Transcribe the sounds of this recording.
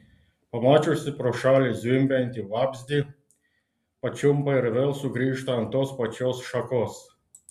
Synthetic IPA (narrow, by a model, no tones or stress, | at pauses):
pɐmɑːt͡ʃʲʊsʲɪpɾɔʃɑːlʲɪzʲɪmʲpʲɛnʲt̪ʲiʋɑbʲzʲd̪ʲi | pɐt͡ʃʲumpɐɪɾʋʲɛlˠsʊɡɾʲiːʃt̪ɐɐnt̪ospɐt͡ʃʲoːsʃɐkos